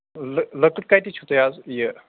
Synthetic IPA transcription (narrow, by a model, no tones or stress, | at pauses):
lələkəʈ̚kajt̪iːt͡ɕʰut̪əjad͡zjə